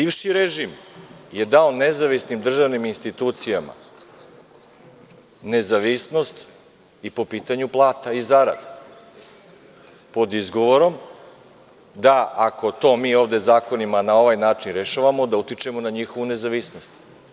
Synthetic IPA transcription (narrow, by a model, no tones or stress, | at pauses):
biːʋʃiɾeʒimje̞d̪aone̞zaʋisnimd̪r̩ʒaʋniminst̪it̪uːt̪sijama̰ | ne̞zaʋisno̞st̪ | ipo̞piːt̪aɲuplˠaːt̪aizaɾa̰d̪a | po̞d̪izɡoʋo̞ɾo̞m | d̪aʔakʰo̞t̪o̞ːmiːo̞ːʋd̪e̞zaːko̞nimanao̞ʋajnaːt͡ʃinɾeʃaʋamo̞d̪aut̪it͡ʃemo̞naɲixo̞ʋune̞zaʋisno̞st̪